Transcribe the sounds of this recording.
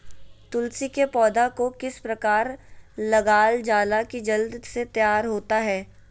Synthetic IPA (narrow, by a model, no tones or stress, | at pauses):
t̪ʊlsikepɔːd̪akokɪspɾɐkaːɾlɐɡaːld͡ʒaːlakid͡ʒɐld̪set̪jaːɾɦoːt̪aɦɛː